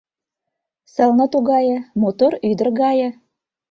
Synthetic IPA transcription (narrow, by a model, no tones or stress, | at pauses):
sɤ̆lnɤ̆t̪uɣɑjɤ̆mot̪oɾyd̪ə̆rɣɑjɤ̆